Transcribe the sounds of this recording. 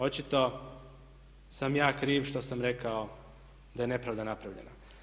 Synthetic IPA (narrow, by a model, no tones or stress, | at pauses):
o̞t͡ʃit̪o̞ | samjaːkɾiːʋʃt̪osamɾe̞kao | d̪aje̞ne̞pɾavd̪anapɾaʋʎḛna